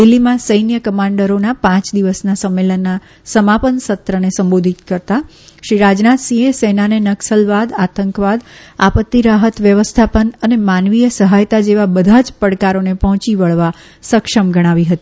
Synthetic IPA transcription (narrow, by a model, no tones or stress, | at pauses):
d̪ilːimãsəjnjəkəmãɳɖəɾonapãt͡ʃd̪iʋəsnasəmːelənːa | səmapənsət̪ɾənesəmbod̪ʱit̪kəɾt̪a | ʃɾiɾad͡ʒnat̪sĩesenanenəksəlʋad̪at̪əŋkʋad̪apət̪ːiɾaɦət̪ʋjəʋəst̪ʰapənənemanʋijəsəɦajt̪ad͡ʒeʋabəd̪ʱad͡ʒpəɽkaɾonepɔɦɔ̃t͡ʃiʋəɭʋa | səkʃəmɡəɽ̃aʋiɦət̪i